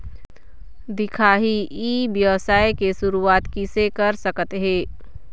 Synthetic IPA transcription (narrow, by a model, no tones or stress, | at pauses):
d̪ɪkʰaːɦiʔiːbjɐʋsaːjkeʃʊɾuaːt̪kisekəɾsəkət̪ɦẽː